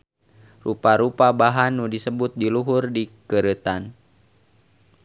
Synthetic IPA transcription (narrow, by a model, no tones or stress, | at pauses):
rupaɾupabaɦanːudisəbut̪̚diluɦʊrdikəɾət̪an